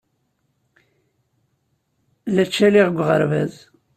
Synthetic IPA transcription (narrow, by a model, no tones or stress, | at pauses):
læt͡ʃːæliʁɡʷʁəɾvæ̰z